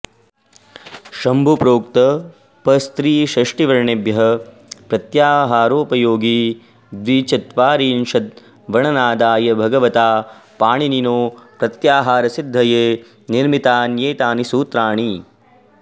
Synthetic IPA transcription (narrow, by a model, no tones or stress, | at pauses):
ʃɐmbʱupɾoːkt̪ɐ | pɐst̪ɾiːʃɐʂʈiʋɐɾɳebjɐɦɐ | pɾɐt̪jaːɦaːɾoːpɐjoːɡi | d̪ʋit͡ʃɐt̪ʋaːɾiːnʃɐt̪̚ | ʋɐɳɐnaːd̪aːjɐbʱɐɡɐʋɐt̪aːpaːɳininoːpɾɐt̪jaːɦaːɾɐsid̪ʱːɐjeː | niɾmit̪aːnjeːt̪aːnisuːt̪ɾaːɳi